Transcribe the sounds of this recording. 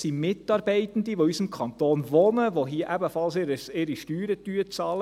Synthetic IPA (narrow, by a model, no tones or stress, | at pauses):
simɪtɑːɾbɛɪtən̩d̪iʋoysəmkʰɑnt̪oːnʋonəʋoɦiːəʔæbəfɑlsɪɾəsɪɾiʃtyːɾətyːət͡sɑːlə